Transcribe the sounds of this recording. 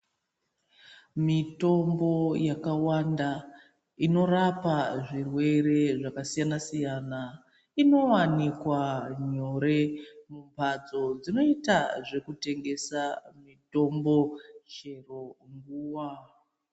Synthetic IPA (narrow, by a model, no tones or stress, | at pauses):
mito̞mbo̞jakawanda | ino̞ɾapaʐirwe̞re̞ʐakasijanasijana | ino̞wanikwaɲoɾe̞mumpad͡zo̞d͡zino̞itaʐe̞kute̞ŋɡe̞samito̞mbo̞ʃe̞ro̞ŋɡuːwa